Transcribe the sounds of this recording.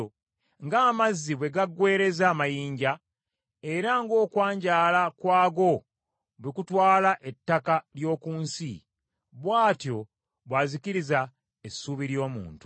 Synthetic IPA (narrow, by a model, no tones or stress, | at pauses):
ŋɡaːmazːiβwe̞ɡaɡːwe̞ːɾe̞zaːmajiːɲɟa | e̞ɾaŋɡo̞ːkwaːɲɟaːlakwaːɡo̞ | βikutwaːlaʔe̞tːakaljo̞ːkuːnsḭ | βwaːtjo̞ | βwaziciɾiza | esuβiɾjo̞ːmṵːntu̥